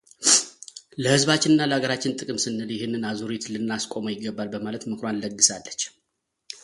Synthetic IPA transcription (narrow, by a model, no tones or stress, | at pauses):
ləhɨzβat͡ʃːɪnɨnːaləaɡəɾat͡ʃːɪnt̪ʼɨkʼɨmsɨnːɨljɪhɪnːɨnazuɾet̪lɨnːaskʼo̞mojɪɡːəbːalbəmalət̪mɨkʰɾanləɡːɨsalːət͡ʃː